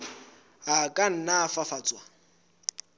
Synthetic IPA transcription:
akʼan̩nafafaːt͡sʼwa

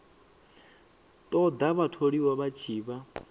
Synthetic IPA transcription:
t̪ʼɔd̪aβatʰoɺiwaβat͡ʃʰiːβa

